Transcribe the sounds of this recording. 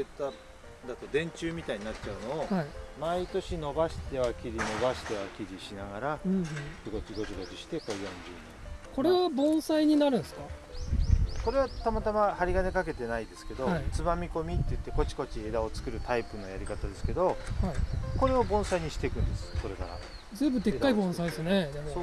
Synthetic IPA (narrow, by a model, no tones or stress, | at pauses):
ɯt̪ːa | d̪at̪o̞d̪ẽ̞ɲ̟t͡ɕɨːmʲit̪aiɲ̟inatːt͡ɕaɯ̟no̞ːimait̪o̞ɕino̞baɕi̥t̪e̞βakʲiɾʲino̞baɕi̥t̪e̞βakʲiɾʲiɕinaɡaɾa | iɡo̞t͡ɕiɡo̞t͡ɕiɡo̞t͡ɕiɕi̥t̪e̞kojõ̞ɲd͡ʑɨ̰ːnẽko̞ɾe̞βabõ̞ɰ̃saiɲ̟inaɾɯ̟̃nsɨ̥ka | ko̞ɾe̞βat̪amat̪amahaɾʲiɡane̞kake̞t̪e̞naid̪e̞sɨ̥ke̞d̪o̞ait͡sɨmamʲiko̞mʲit̪ːeɯ̟t̪ːeko̞t͡ɕi̥ko̞t͡ɕie̞ːd̪ao̞t͡sɨ̥kɯ̟ɾɯ̟t̪ʰaipɯ̟no̞jaɾʲikat̪ad̪e̞sɨ̥ke̞d̪o̞haiko̞ɾe̞o̞bõ̞ɰ̃saiɲ̟iɕi̥t̪e̞kɯ̟̃nd̪e̞sɨ̥so̞ɾe̞ka̰ɾa̰ | zeːbɯ̟t̪e̞kːaibõ̞said̪esne̞d̪emoo